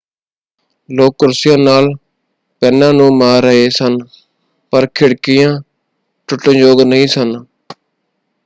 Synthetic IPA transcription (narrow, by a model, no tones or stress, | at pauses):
loːkʊɾsɪjãːnaːl | pɛːnãːnũːmaːɾːəɦeːsən | pəɾkʰɪɽkɪjãː | ʈʊʈːə̃d͡ʒoːɡnəɦĩːsən